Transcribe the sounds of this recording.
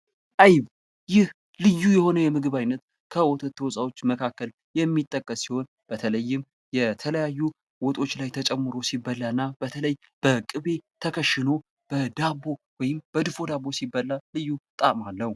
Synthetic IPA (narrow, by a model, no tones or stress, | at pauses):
ʔajβ | jɪh | lɨjːujɛho̞nəjɛmɨɡɨβajnːət̪ | kʰəwɔt̪ʰət̪ʰːəwɔsʼawo̞t͡ʃːməkʰakːəl | jɛmːit̪ʼːəkʼːəsːiho̞n | b̥ət̪ʰələjːɪm | jɛt̪ʰələjajːu | wɔt̪ʼo̞t͡ʃːlajt̪ʰət͡ʃʼɛmːɨɾo̞sibəlːaɨnːabət̪ʰələj | b̥əkʼɨβe̞t̪ʰəkʰəʃɪno̞ | b̥əd̪aβo̞wɔjɪmb̥əd̪ɨfo̞d̪abːo̞sibəlːalɨjːut̪ʼamalːəhu